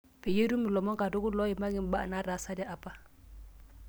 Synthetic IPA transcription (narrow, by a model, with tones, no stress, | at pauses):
pʰɪ˨je˦ɾu˦mɪ˨lɔ˨mɔ˦ŋkʼa˨dʊ˦kʊ˦lɔ˦ɪ˨ma˦ŋɪ˦m̩˦ba˦a̰˨na˦ra˨˦sa˦da˦ʔa˨pʼa˦